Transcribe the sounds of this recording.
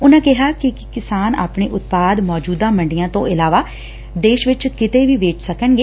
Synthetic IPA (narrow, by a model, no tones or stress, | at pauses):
ʊnãːkɪɦaːkɪ | kɪsaːna̰ːpɳḛːʔʊt̪̚paːd̪mɔːd͡ʒuːd̪ãːməɳɖijãːt̪õ̰ːʔɪlaːʋaː | d̪eːʃʋɪt͡ʃkɪt̪eːʋiːʋeːt͡ʃsəkəɳɡeː